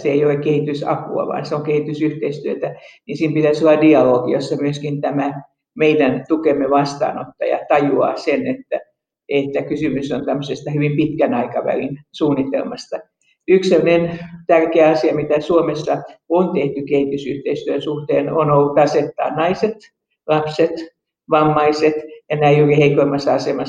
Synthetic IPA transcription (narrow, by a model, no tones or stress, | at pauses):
seeijolekkehit̪ysɑ̰pṵɑ̰ʋɑ̰ːnseoŋkehit̪ysyht̪eist̪yøt̪ænisiːmpit̪æsolːɑdiɑloːɡijosːɑmyøskint̪æmæ | meidænt̪ukemːeʋɑst̪ɑ̰ːno̰t̪ːɑ̰jɑ̰t̪ɑjuɑ̰ːsenet̪ːæ | et̪ːækysymysont̪æmːøsest̪ɑhyʋimpit̪kænɑikɑʋæ̰lḭnsuːnːit̪ḛlmɑst̪ɑ | yksemːønent̪ærkeæɑsiɑmit̪æsuomesːɑont̪eht̪ykeit̪ysyht̪eist̪yønsuht̪eːnonolːut̪ɑset̪ːɑ̰ːnnɑiset̪ | lɑpset̪ | ʋɑmːɑiset̪jɑnæiyriheikoimɑsːɑɑsemɑ